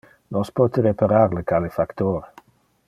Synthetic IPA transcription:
nɔspɔt̪əɾepaɾaɾləkʰalefakt̪oːɾ

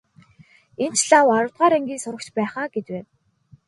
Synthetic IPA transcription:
en̥t͡ɕɮawaɾʊ̆wt̪̚ɢaːɾeŋɡʲiːsʊɾə̆kt͡ɕpæːχaːɡet͡ɕweː

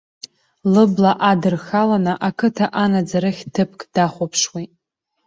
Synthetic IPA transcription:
lɨblaʔadɨrxalanɨʔakʰɨtʰaʔanad͡zaɾɨχʲtʰɨpʰkʼd̥aχʷapʰʂwajtʼ

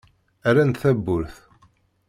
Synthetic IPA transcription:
æɾænθæbːʊɾθ

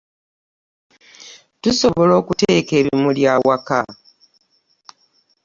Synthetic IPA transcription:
tuso̞βolo̞ːkuteːke̞ːβimuljawaka̰

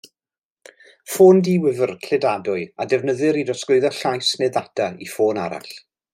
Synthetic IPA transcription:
foːndiːwɪvərkʰl̥ɨdadʊɨadɛvnəðɨɾidrɔskʊɨðɔɬajsneðatʰaifoːna̰ɾa̰ɬ

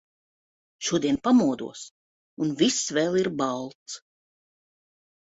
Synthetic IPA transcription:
ʃuɔd̪iɛnpamuɔd̪ṵɔs | unvisvɛːlˠiɾbalˠt̪s

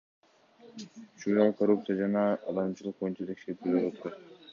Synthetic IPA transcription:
ʃunɑlˠkʰoɾup̚t̪sɨjad͡ʒɑnɑːd̪ɑmt͡ʃɯlˠɯq̚bo̞junt͡ʃɑt̪ʰe̞kʃe̞ɾt̪yɡeot̪uɾɑt̪

